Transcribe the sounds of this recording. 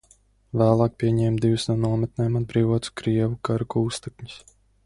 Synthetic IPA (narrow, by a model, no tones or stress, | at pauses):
væːlˠɑːk̚pʲiɛɲɛːmd̪ivusnuɔnuɔmɛt̪̚nɛːmad̪̚bɾiːvɔt̪u̥kɾiɛvukaɾukuːst̪ekɲu̥s